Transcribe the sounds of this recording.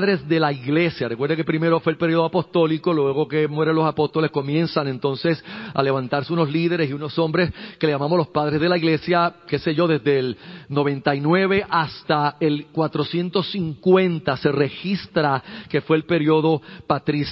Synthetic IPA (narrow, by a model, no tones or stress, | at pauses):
ðɾe̞zðe̞laiɣle̞sjarekwe̞ɾðekepɾime̞ɾo̞fweːlpe̞ɾio̞ðoapo̞st̪o̞liko̞lwe̞ɣo̞ke̞mwe̞ɾenlo̞sapo̞st̪o̞le̞sko̞mjẽ̞nsaŋe̞nt̪o̞nse̞sa̰le̞βant̪aɾseuno̞sliðe̞ɾesiuno̞sõ̞mbɾeskeleʝamamolo̞spaðɾe̞zðe̞laiɣle̞sjake̞se̞ʝo̞ðe̞zðe̞lno̞βẽ̞nt̪ainwe̞βe̞ʔast̪ae̞lkwat̪ɾo̞sje̞nt̪o̞siŋkwẽ̞nt̪ase̞re̞xist̪ɾake̞fwe̞ːlpe̞ɾio̞ðo̞pat̪ɾis